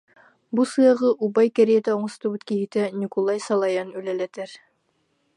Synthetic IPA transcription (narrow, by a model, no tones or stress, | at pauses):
busɤjɑʁɤʔubɑjkæɾijet̪æuɴɤ̆st̪ɤbɘt̪kihit̪ænʲikulˠɑjsɑlˠɑjɑnʉlælæt̪æɾ